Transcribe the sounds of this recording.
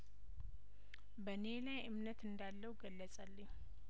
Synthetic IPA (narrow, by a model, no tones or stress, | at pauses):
bəne̞lajɨmnət̪ɨnd̪alːəwɡəlːət͡sʼalːəɲ